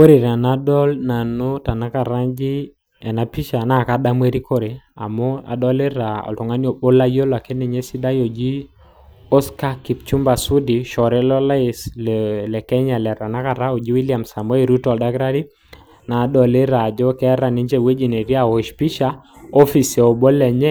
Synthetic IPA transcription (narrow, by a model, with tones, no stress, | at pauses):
wo˦ɾe˨ɾa˨na˦dɔ˦lna˨no˦ta˨na˦ka˨ɾa˦d͡ʒi˦ | ɛ˨na˨pi˦ʃa˨na˦˨ka˦da˦mwe˦ɾi˦ko˦ɾe˨a̰˨mɔ˦a̰˨dɔ˦le˦ɾa˨ɔ̰˨ltɔ˨ŋa˦njo˨ɓo˦la˦jo˦la˨kɛ˦ne˨ɲe˦si˦da˦jo˨d͡ʒi˦ | ɔ˦ska˦ki˨p̚t͡ʃu˦mba˨su˦di˨ʃɔ˨ɾɛ˦lɔ˦la˦sllɛ˨kɛ˦ɲa˨lɛ˨ɾa˨na˦ka˨ɾa˦o˨d͡ʒi˦wi˦lia˨msa˨mɔ˦e˨ɾu˦tɔ˨lda˦kɾa˦ɾi˦ | na˨˦dɔ˨le˦ɾa˨d͡ʒɔ˦kɛ˦ɾa˨ni˦ɲd͡ʒe˦˨we˦d͡ʒi˨ne˨ɾja˨wo˨ʃpi˦ʃa˦o˦fi˨sɛ˨o˨bo˦lːɛ˨ɲɛ˦